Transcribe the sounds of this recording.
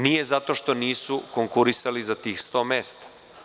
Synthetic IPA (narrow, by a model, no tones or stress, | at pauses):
nije̞zat̪o̞ʃt̪o̞niːsukoŋkuɾisalizat̪iːxst̪o̞ːmeːst̪ḁ